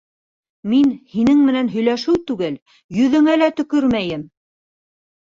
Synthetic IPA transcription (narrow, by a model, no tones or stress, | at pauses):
minhinɘŋmɘ̆nænɦɵ̆jlæʃɘwt̪ʉɡɘl | jɵ̆ðɘ̆ŋælæt̪ɵ̆kɵɾmæjɘm